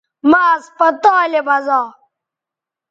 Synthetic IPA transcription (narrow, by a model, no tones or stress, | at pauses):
maːɐspɐt̪aːlebɐzaː